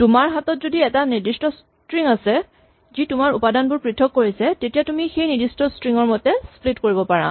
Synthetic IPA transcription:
tʊmaɹɦatɔtzodiɛtaniɹdistɔs | tɹiŋasɛ | zitʊmaɹupadanbʊɹpɹitʰɔkːoɹisɛtetijatumixejniɹdistɔstɹiŋɔɹmɔtɛsplitkoɹibɔpaɹã̰

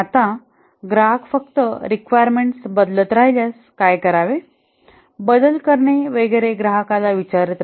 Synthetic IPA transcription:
at̪ã | ɡɾaɦəkfəkt̪əɾikʋajəɾmeɳʈsbəd̪lət̪ɾajljas | kajkəɾaʋe | bəd̪əlkəɾɳeʋeɡeɾeɡɾaɦəkalaʋit͡ɕaɾət̪

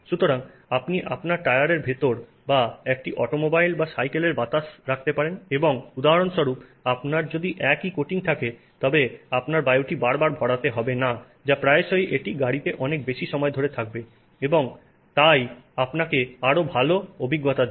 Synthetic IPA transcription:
ʃut̪oɾaŋapniʔapnaɾʈajaɾeɾbʱet̪oɾ | baɛk̚ʈiʔɔʈomobajlbasajkeleɾbat̪aʃɾakʰt̪epaɾeneboŋud̪aɦaɾonʃɔɾupapnaɾd͡ʑod̪iʔɛkikoʈiŋt̪ʰake | t̪ɔbeapnaɾbajuʈibaɾbaɾbʱɔɽat̪eɦɔbena | d͡ʑapɾaeʃojʔeʈiɡaɽit̪eʔɔnek̚beʃiʃɔmɔed̪ʱoɾet̪ʰak̚be | eboŋ | t̪ajapnakeaɾobʱaloobʱiɡːot̪ad̪e

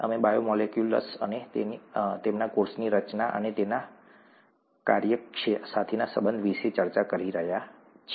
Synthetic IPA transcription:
ə̰mebajomɔlekjulə̰sə̰net̪enit̪emnakoɾsniɾət͡ʃnaʔə̰net̪ena | kaɾjəʃesat̪ʰenasəbənd̪ʱʋiʃet͡ʃəɾt͡ʃakəɾiɾəɦjat͡ʃʰ

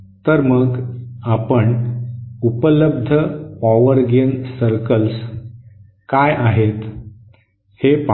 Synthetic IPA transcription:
t̪əɾməɡapəɳ | upələb̚d̪ʱəpaʋəɾɡensəɾkəls | kajʔaɦet̪ | hep

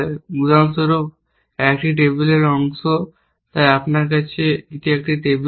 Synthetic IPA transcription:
mud͡ʒansoɾop | ɛkʈiʈebuleɾɔŋso | t̪ajapnaɾk̬at͡ɕʰeit̪iɛk̚ʈiʈeb

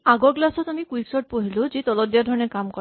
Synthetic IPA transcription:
aɡɔɾɡlasɔt̪amikuiksɔʈ̚poɦilud͡ʒet̪ɔlɔd̪ijaɾd̪ʱɔɾɔneɾkamkɔ

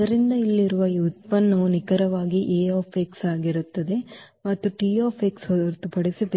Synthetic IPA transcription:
ɐɾind̪ɐilːiɾuʋɐiut̪̚pɐnːɐnikɐɾɐʋaːɡiʔeːoːpʰeksaːɡiɾut̪ːɐd̪e̞ | mɐt̪ːuʈiːoːpʰeksɦɔɾt̪upɐɽisibe

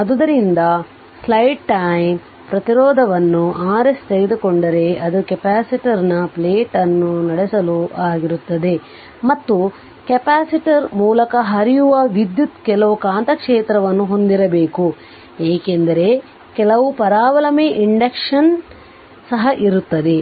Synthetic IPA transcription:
ɐd̪ud̪ɐɾind̪ɐ | slɐjʈ̚ʈɐjm | pɾɐt̪iɾɔːd̪ʱɐʋɐnːuʔaːɾest̪eɡed̪ukoɳɖɐɾe̞ɐd̪ukepaːsiʈɐɾnɐpleːʈɐnːunɐɽesɐluʔaːɡiɾut̪ːɐd̪e̞ | mɐt̪ːu | kɛpaːsiʈɐɾmuːlɐkɐɦɐɾijuʋɐʋid̪jut̪kɛlɐʋukaːnt̪ɐkʂeːt̪ɾɐʋɐnːuɦo̞nd̪iɾɐbeːku | eːkend̪ɐɾe̞ | kɛlɐʋupɐɾaːʋɐlɐmeːʔiɳɖekʂɐn | sɐɦɐʔiɾut̪ːɐd̪e̞

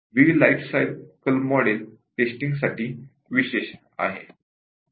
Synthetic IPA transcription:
ʋilajfsajlkəlmɔɽelʈesʈĩŋɡsaʈiː | ʋiɕeɕ | a̰ɦḛ

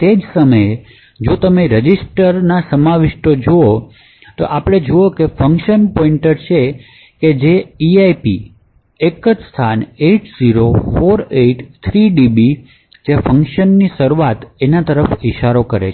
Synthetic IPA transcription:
t̪ed͡ʒsəməe | d͡ʒot̪əmeɾəd͡ʒisʈəɾnasəmaʋɪʃʈod͡ʒoo | t̪o̰ʔapɽ̃ed͡ʒookefəŋkʃənpɔiɳʈəɾt͡ʃʰe | ked͡ʒeiajpḭ | ekəd͡ʒst̪ʰaneʈziɾofoɾeʈt̪ʰɾiɖibi | d͡ʒefəŋkʃənːisəɾuʋat̪enat̪əɾəfiʃaɾokəɾḛt͡ʃʰ

